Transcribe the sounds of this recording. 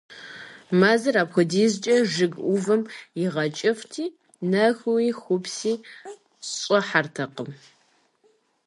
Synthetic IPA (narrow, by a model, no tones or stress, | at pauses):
maːzɐraːpxʷʊdiːzt͡ʃʼɐʐɨɡʔʷʊvɨmjɪʁɐt͡ʃʼɪftʰiː | nɐxwiːxʷʊpsiː | ɕʼɔħartʰɐqəm